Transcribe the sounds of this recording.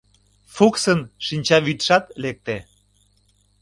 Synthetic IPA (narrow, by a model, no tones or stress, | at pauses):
fuksənʃinʲt͡ɕɑβit̪ʃɑt̪lek̚t̪e